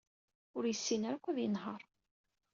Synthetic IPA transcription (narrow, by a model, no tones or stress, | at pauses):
ʊɾjəsːinaɾækʷːæðjənɦəɾˤ